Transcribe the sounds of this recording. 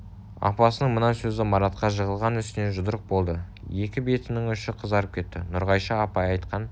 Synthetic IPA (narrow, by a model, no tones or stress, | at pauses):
ɑ̰pɑsənəɴmənɑsɵzɪmɑɾɑt̪̚qʰɑʒəʁəlˠʁɑnʏst̪ɪne̞ʒʊd̪əɾəq̚bo̞lˠd̪ə | je̞kʲɪbe̞t̪ɪnɪŋʏʃɪqʰəzɑɾəp̚kʲʰe̞t̪ːɪ̰nʊɾʁɑjʃɑɑpɑjɑjt̪qɑn